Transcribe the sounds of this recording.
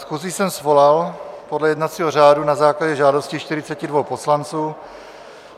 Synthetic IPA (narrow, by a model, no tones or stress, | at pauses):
sxuziːsɛmsvo̞lalpodlɛjɛdnat͡siːɦor̝aːdunazaːklaɟɛʒaːdo̞scɪʃt̪ɪɾɪt͡sɛcɪdvo̞wpo̞slant͡suː